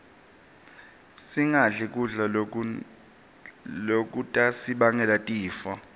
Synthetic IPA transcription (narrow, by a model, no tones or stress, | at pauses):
siŋaɮɛk̬ʼuɮa | lok̬ʼutʼasiɓaŋɛlatʼiːfa